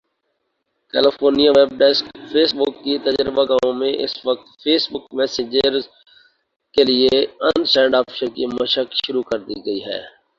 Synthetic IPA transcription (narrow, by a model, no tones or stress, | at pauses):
kɛːlɪfoːɾnijaʋeːb̚ɖɛskfʰeːsbʊkːit̪ɐd͡ʒɾəbaɡaːõmẽʔɪ̰sʋək̚t̪pʰeːsbʊkmɛːsed͡ʒəɾz | kelieɐ̃nsɛ̃ːɳɖaːpʰʃəɾkimɐʃəkʃʊɾukɐɾd̪iɡɐiɦɛ̰ː